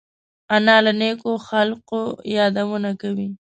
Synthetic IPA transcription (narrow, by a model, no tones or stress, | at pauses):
anɑlanekoxalqojɑd̪awunakawi